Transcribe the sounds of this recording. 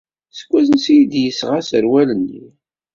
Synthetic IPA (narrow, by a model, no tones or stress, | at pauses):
sə̥kʷːæzənsijid̪jəsʁasəɾwælənːḭ